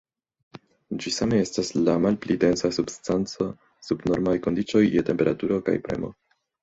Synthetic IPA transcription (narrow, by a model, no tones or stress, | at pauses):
d͡ʒisame̞e̞staslamalplide̞nsasubstant͡so̞ | subno̞ɾmajko̞ndit͡ʃo̞jːete̞mpe̞ɾatuɾo̞ka̰jpɾe̞̰mo̞̰